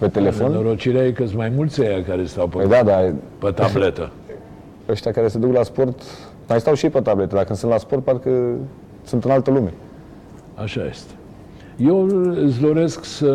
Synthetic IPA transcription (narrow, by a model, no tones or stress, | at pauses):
pe̞t̪e̞le̞fo̞nnoɾot͡ʃileajekəmajmult̪sʲejakaɾest̪awpəjd̪ad̪apət̪ablet̪ə | əʃt̪ʲakaɾe̞sed̪uklaspo̞rt̪ | majst̪awʃiepət̪ablet̪əd̪akɨnsɨnt̪laspo̞rt̪paɾkə | sɨnt̪ɨnalt̪əlume̞ | aʃa̰jḛst̪e̥ | jewɨsd̪o̞ɾesksə